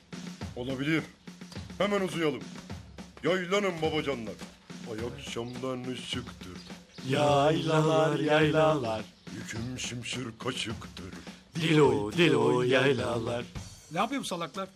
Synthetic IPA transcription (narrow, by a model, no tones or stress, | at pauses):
o̞lˠabilʲiɾhemænuzujalˠɯm | jajlˠanɯmbabad͡ʒanlˠaɾajakʃamlˠaɾnɯʃɯkt̪ʰɯɾjajlˠaaɾɾjaj̪alˠːaɾ̥ | jycʰymʃɯmʃɯɾkʰaʃɯkt̪ʰɯɾd̪ilʲod̪ilʲojajlˠalˠːaɾ̥najapʰɯjomusalˠaklˠaɾ